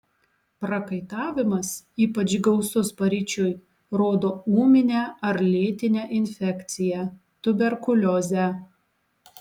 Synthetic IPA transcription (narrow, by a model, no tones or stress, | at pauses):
pɾɐkɐɪt̪ɑːʋʲɪmɐsiːpɐt͡ʃɡɒʊsʊspɐɾʲiːt͡ʃʲʊj | ɾoːd̪oːuːmʲɪnʲɛːɐɾlʲeːt̪ʲɪnʲɛʔɪnʲfʲɛkt̪sʲɪjɛ | t̪ʊbʲɛɾkʊlʲɔzʲæ